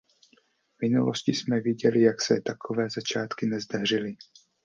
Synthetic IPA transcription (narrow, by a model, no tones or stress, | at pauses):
vmɪnṵloscɪsmɛvjɪɟɛlɪjaksɛt̪akʰovɛːzat͡ʃaːt̪kɪnɛzd̪ar̝ɪlɪ